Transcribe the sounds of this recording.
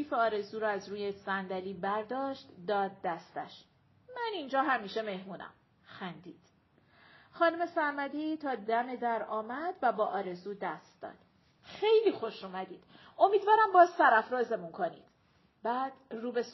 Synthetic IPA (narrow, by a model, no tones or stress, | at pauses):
iːfeɒːɾe̞zuːɾɒæzɾuːjesænd̪æliːbæɾd̪ɒːʃt̪d̪ɒːd̪̚ːæst̪æ̰ʃ | mænind͡ʒɒːɦæmiːʃe̞me̞hmuːnæ̰m | xænd̪iːd̪̥ | xɒːnume̞sæɾmæd̪it̪ʰɒːd̪æme̞d̪æɾɒːmæd̪væbɒːʔɒːɾe̞zuːd̪æst̪d̪ɒ̰ːd̪̥ | xejliːxo̞ʃuːmæd̪iːd̪̥ | o̞miːd̪vɒːɾæmbɒːzsæɾæfɾɒːzemunkʰo̞nḭːd̪̥ | bæːd̪̥ruːbe̞s